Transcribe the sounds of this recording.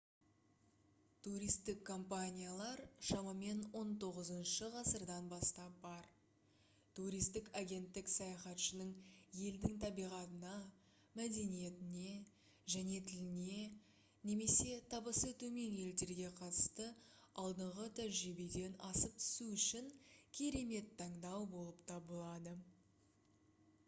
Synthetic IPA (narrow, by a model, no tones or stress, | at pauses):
t̪ʰuɾijst̪ɪkʰːo̞mpanʲijalˠɑɾʃɑmɑme̞nwo̞nt̪ʰo̞ʁəzənʃəʁɑsəɾd̪ɑnbɑst̪ɑp̚bɑɾ | t̪uɾijst̪ɪkaɡʲe̞nt̪ːɪksɑjɑχɑt̪ʃənəɴje̞ld̪ɪŋt̪ʰɑbijʁɑt̪ənɑ | mæd̪e̞nije̞t̪ɪne̞ | ʒæne̞t̪ʰɪlɪne̞ | ne̞me̞se̞t̪ʰɑbəsət̪ʰɵme̞ŋje̞ld̪e̞ɾɡʲe̞qʰɑt̪ə̥st̪əɑlˠd̪əɴʁət̪ʰæʒɾibed̪e̞nɑsəp̚t̪ʰʏ̥suʏʃɪŋkʲʰe̞ɾe̞me̞t̪ʰːɑɴd̪ɑwbo̞lˠəpt̪ʰɑbəlˠɑd̪ə